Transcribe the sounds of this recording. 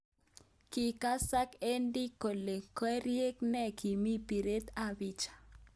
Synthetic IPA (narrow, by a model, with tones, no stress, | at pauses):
ki˨ka˦sa˦ke˦ndi˦ko˨le˨kɔ˦ɾje˦knɛ˦˨kʰi˨mi˦pi˨ɾe˦t̪a˦˨βi˦t͡ʃḁ˨